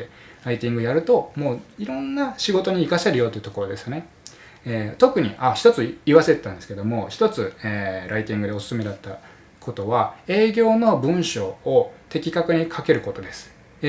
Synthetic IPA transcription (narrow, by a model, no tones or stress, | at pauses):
e | ɾait̪ʲĩŋɡɯjaɾɯ̟t̪o̞mo̞ːiɾõ̞nːaɕiɡo̞t̪o̞ɲ̟iːkaseɾɯ̟jo̞t̪oiɯ̟t̪oko̞ɾo̞d̪e̞sɨjone̞ | et̪o̞kɯ̟ɲ̟iʔaçi̥t̪o̞t͡sɨiβase̞t̪et̪ːãnd̪esɨ̥ke̞d̪o̞mo̞çi̥t̪o̞t͡sɨeːɾʔait̪ʲĩŋɡɯd̪e̞o̞sɨ̥sɨme̞d̪at̪ːa | kʰo̞t̪o̞βae̞ːɡʲo̞ːno̞bɯ̟̃ɰ̃ɕo̞ːt̪e̞kʲikakɯ̟ɲ̟ikʰake̞ɾɯ̟ko̞t̪o̞d̪e̞sɨ̥